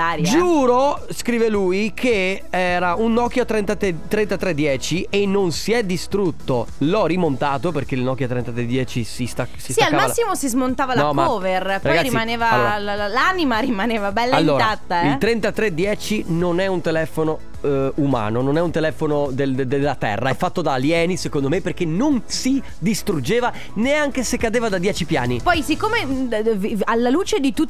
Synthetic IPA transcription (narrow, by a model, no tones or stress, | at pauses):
aːɾjd͡ʒuːɾo | skɾiːveluːjkʰe | ɛːɾaunːɔk̟ːjoat̪ɾent̪at̪et̪ːɾent̪at̪ɾed̪ːjɛːt͡ʃienːonsiɛd̪ːist̪ɾut̪ːo | lɔrːimont̪aːt̪operk̟eilnɔk̟jot̪ɾent̪at̪ɾed̪jɛːt͡ʃisist̪asist̪aalkːamaasːimosizmont̪aːvalnaɔkmaɔːverpɾaɔɡaɾimaneːvaalːɾllanimaɾimaneːvabɛlːalːoːt̪aat̪ːailt̪ɾɛnt̪at̪ɾed̪jɛːt͡ʃinonɛunt̪elɛːfono | uma̰ːnononɛunt̪elɛːfonod̪eld̪elːat̪ɛ̰rːaɛfːat̪ːod̪aːljɛːnisekond̪omepːerk̟enonsi | d̪ist̪ɾud͡ʒeːva | neaŋk̟esekːad̪eːvad̪ad̪jɛːt͡ʃipja̰ːnipɔjsikːoːmevalːaluːt͡ʃed̪it̪u